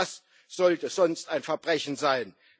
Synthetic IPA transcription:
as | z̥ɔltəzɔnstaɪnfɛɐbʁɛçn̩zaɪn

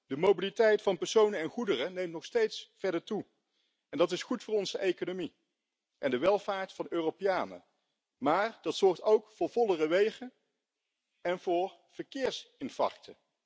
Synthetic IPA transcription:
d̥əmobilitɛjtfɑnpɛɹsownəɛnχudərənejmtnɔχstejtsfɛɹdəɹtu | ɛndɑtɪsχutfʊːɹɔnzəʔejkonomi | ʔɛndəʋɛlˠvaːɹtfɑnøːropijaːnə̰ | maːɹd̥ɑtsɔɹtowkfʊːɹvɔlˠərəʋejχən | ɛnvʊːɹ | v̥əɹkɪːɹsɪnfɑ̰ɹk̚tə

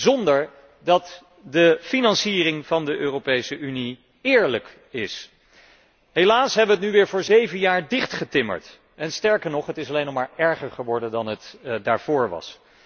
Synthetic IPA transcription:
zɔndəɹ | dɑt | dəfinɑnsiːrɪŋvɑndəʔøːropejsəʔyni | ɪːɹlək | ɪs | ɦelaːsɦɛbʋəətnyʋɪːɹvʊːɹzejvənjaːɹdɪχtχətɪmə̰ɹt | ʔɛnstɛɹkəɹnɔχɦətɪsɑlejnɔχmaːɹɛɹχəɹχəʋɔɹdəndɑnətdaːɹv̥ʊːɹʋɑ̰s

